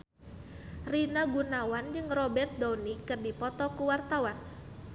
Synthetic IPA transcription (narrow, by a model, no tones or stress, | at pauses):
rinaɡunawand͡ʒɨŋrɔbɛrt̪̚d̪onikɨrdipɔt̪ɔkuwart̪awan